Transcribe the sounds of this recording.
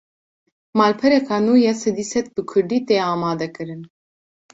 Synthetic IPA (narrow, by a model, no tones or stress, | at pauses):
mɑːlpʰɛɾɛkʰɑːnuːjɛsɛd̪iːsɛt̪̚bɨkʰʊɾd̪iːt̪eːɑːmɑːd̪ɛkɨɾɨn